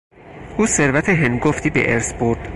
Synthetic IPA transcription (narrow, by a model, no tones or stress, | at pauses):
ʔuːseɾvæt̪ʰeɦenɡoft̪ʰiːbḛʔeɾsboɾd̪̥